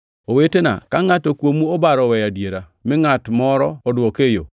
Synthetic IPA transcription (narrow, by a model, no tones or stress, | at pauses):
owetena̰kaŋatokwomuobaɾɔwɛjadjeɾa | mɪŋatmɔɾɔːdwɔkejo̰